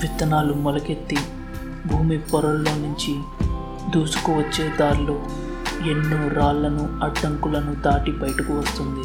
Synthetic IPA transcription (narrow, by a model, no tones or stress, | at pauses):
ʋit̪ːɐnaːlumɔlɐke̞t̪ːi | bʱuːmipɔɾɐlːoːnuɲt͡ʃi | d̪uːsu̥kuʋɐt͡ʃːe̞ːd̪aːɾlo̞ː | e̞nːuːɾaːlːɐnuɐɖːɐŋkulɐnud̪aːʈibɐjʈɐkuʋɐst̪und̪i